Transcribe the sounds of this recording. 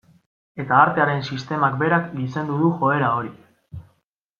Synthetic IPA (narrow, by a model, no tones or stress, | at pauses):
e̞t̪aːɾt̪e̞aɾe̞nsist̪e̞makbe̞ɾaklise̞nd̪uðuxo̞e̞ɾao̞ɾi